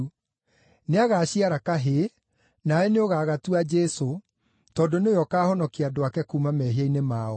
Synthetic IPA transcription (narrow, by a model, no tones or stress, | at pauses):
neaɣaːɕiaɾakaɦe | naɛneoɣaːɣatuad͡ʒɛso | tɔdoneojɔkaːhɔnɔkeadoakɛkuːmamɛɦiainemaɔ